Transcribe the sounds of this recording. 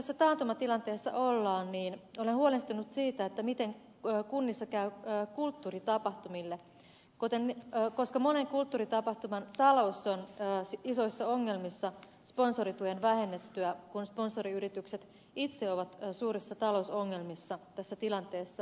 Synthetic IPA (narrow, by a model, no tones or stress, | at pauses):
josːæt̪ɑːnt̪umɑt̪ilɑnt̪e̞ːsːɑ̰ʔolːɑːnniːnolenhuolest̪unut̪siːt̪æet̪ːæmit̪eŋː | kunːisːɑkæyːkult̪ːuːrit̪ɑpɑht̪umilːe | kot̪enːko̞skɑmone̞ŋkult̪ːuːrit̪ɑpɑht̪umɑnt̪ɑlo̞usːonːsiso̞isːɑoŋːe̞lmisːɑ | sponsoɾit̪uenʋæhe̞nːet̪ːyækunsponso̞ɾiyɾit̪ykset̪ | it̪se̞oʋɑt̪ːsuːɾisːɑt̪ɑlo̞usoŋːe̞lmisːɑt̪æsːæt̪ilɑnt̪e̞ːsːɑ